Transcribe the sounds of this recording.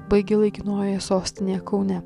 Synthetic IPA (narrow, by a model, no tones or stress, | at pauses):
bɐɪɡʲɪlˠɐɪkʲɪnoːjojɛsoːsʲt̪ʲɪnʲeːjɛkɐʊnʲɛ